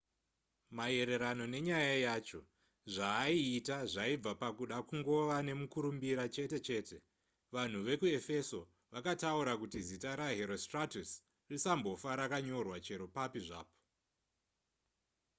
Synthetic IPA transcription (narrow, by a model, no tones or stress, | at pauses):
mae̞ɾe̞ɾano̞ne̞ɲajajaːt͡ʃo̞ | ʐaːiːtaʐaib͡vapakuɗakuŋɡo̞ʋane̞mukuɾumbiɾat͡ʃe̞te̞t͡ʃe̞ːte̞ | ʋan̤uʋe̞kue̞fe̞so̞ | ʋakatauɾakutizitaɾaɦe̞ɾo̞stratus | risambo̞faɾakaɲo̞rwat͡ʃe̞ɾo̞papiʐa̰ːpo̥